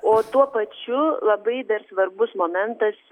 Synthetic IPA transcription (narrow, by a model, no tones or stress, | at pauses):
oːt̪uɔpɐt͡ʃʲʊlˠɐbɐɪd̪ɐɾsʋɐɾbʊsmoːmʲɛnt̪ɐs